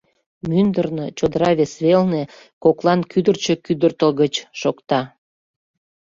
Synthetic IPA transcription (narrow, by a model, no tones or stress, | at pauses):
mynd̪ərnot͡ɕod̪əɾɑβesβelne | koklˠɑnkyd̪ərt͡ɕekyd̪ərt̪əlɣət͡ɕʃokt̪ɑ